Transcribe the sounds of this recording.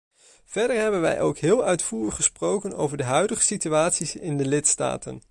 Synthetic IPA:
v̥ɛɹdəɹɦɛbənʋɛ̰jʔowkɦɪːlˠœɥtfuːrəχəsprowkəno̰wvəɹdəɦœɥdəχə̥sityaːtsisɪndəlɪtsta̰ːtə̰n

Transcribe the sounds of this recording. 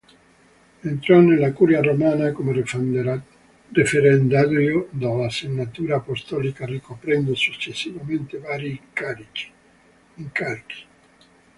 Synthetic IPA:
ent̪ɾanelakuɾjaromaːnakome | refeɾend̪aɾjod̪alasenːat̪uːɾaːpost̪ɔlikarikopɾɛnd̪osut͡ʃːesːivament̪evaɾikaɾit͡ʃi̥ | iŋkalki̥

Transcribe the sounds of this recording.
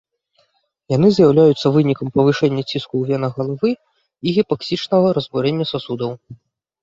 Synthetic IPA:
jan̪ɨzʲjawlʲajut̪sːɐvɨnʲikɐmpɐvɨʂɛnʲːɐt͡sʲiskuwvʲɛnɐɣɐlˠavɨ | iɣʲipaksʲit͡ʂnɐɣɐɾɐzbuɾʲɛnʲːɐsasud̪ɐw

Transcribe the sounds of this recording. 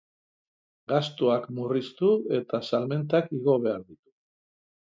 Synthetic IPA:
ɡast̪oakmurist̪ue̞t̪asalme̞nt̪akiɣo̞βe̞aɾðit̪u̥

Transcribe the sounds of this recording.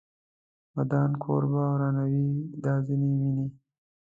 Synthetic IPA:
wad̪ɑːnkʰo̰ɾbawɾɑːnawid̪ɑːzinimini

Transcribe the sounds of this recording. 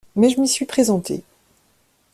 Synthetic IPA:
mɛʒəmisɥipχezɑ̃t̪ḛ

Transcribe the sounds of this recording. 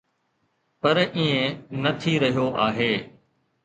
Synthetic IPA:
pɐɾĩːẽnɐt̪ʰiɾɐɦijoʔaːɦeː

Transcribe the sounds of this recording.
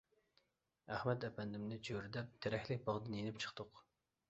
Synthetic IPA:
æχmɛt̪ɛpʰɛnd̪ɪmnɪt͡ʃʰøɾd̪ɛp̚t̪ʰeɾɛkʲlɪk̚ʲbɑʁd̪ɨnjenɪpt͡ʃʰə̥χt̪ʊq

